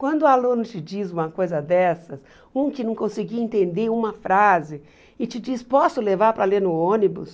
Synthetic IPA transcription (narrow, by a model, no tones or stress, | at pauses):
kwɐ̃nd̪ʊalũnʊt͡ʃɪd͡ʒizũmɐkojzɐd̪ɛsɐs | ũkɪnɐ̃w̃kõsɪɡiɐẽnt̪ẽnd̪eũmɐfɾazɪ | ɪt͡ʃɪd͡ʒispɔsʊlevaɾpɾɐleɾnʊõnibʊ̰s